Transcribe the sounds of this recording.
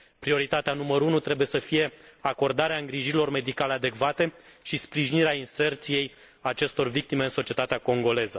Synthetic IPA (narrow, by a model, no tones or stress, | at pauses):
pɾio̞ɾit̪at̪eanuməɾunut̪ɾe̞bujesəfije̞ako̞rd̪aɾeaɨŋɡɾiʒiɾilo̞rme̞d̪ikalead̪e̞kvat̪e̞ʃispɾiʒiniɾeainse̞rt̪sije̞j | at͡ʃe̞st̪o̞rvik̚t̪ime̞ɨnso̞t͡ʃiet̪at̪eako̞ŋɡo̞le̞zə